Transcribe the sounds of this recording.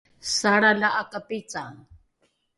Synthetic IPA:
saɽalaʔakapit͡saŋ

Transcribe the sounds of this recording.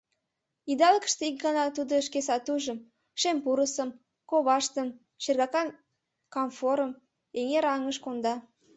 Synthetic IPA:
id̪ɑləkə̥̆ʃt̪eik̚ɡɑnɑt̪ud̪oəʃkesɑt̪uʒə̆m | ʃempuɾəsəm | koβɑʃt̪əm | ʃerɣɑkɑn | kɑmfoɾəm | eŋeɾɑŋəʃkond̪ɑ

